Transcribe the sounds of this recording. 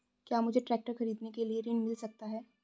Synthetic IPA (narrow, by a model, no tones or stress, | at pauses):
kjaːmʊd͡ʒʱeʈɾɛːk̚ʈəɾxɐɾiːd̪nekelieɾɪɳɖmɪlsɐk̚t̪aɦɛː